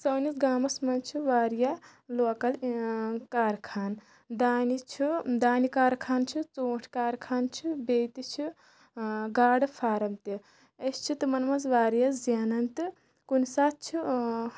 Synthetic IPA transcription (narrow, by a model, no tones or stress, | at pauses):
sɐːnisɡaːmɐsmɐnt͡ʃʰiʋaːɾja | loːkɐl | kaːɾkʰaːn | d̪aːnit͡ʃʰid̪aːnikaːɾkʰaːnt͡ʃʰit͡soːʈʰkaːɾkʰaːnt͡ʃʰibeːt̪it͡ʃʰi | ɡaːɽɨpʰaːɾɐmt̪i | ɐst͡ʃʰit̪ɨmɐnmɐzʋaːɾjazjaːnɐnt̪ɨ | kunsaːt̪̚t͡ʃʰi